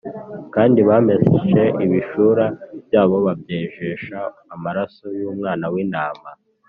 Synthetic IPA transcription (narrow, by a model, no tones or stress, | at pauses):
kaːndiβaːmezet͡ʃe̞ʔiβiʃuɾabjaːβo̞βabjeːʒeʃaː | maɾaso̞juːmŋaːnawiːnaːma